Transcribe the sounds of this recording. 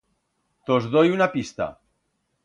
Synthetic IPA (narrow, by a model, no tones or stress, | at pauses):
t̪ozðojunapist̪a̰